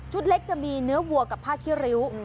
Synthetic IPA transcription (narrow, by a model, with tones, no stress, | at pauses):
t͡ɕʰu˦˥t̪̚le˦˥k̚t͡ɕa˧miː˧nɯ˦˥ɐwu˨˩əkːa˨˩pʰaː˥˩kʰːi˦˥ɾi˦˥w